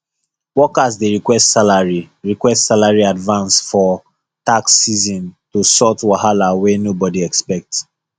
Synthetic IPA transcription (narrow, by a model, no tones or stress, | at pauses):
wɔkazdeɹikwɛstsalaɹiɹikwɛstsalaɹiadvãnsfɔ | taksːizɔ̃ntusɔtwahalawenobɔdiɛkspɛk̚ts